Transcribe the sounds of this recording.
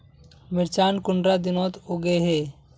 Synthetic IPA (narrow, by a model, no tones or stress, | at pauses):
mɪɾt͡ʃaːnkʊɳɖɾad̪ɪnõːt̪oɡeɦeː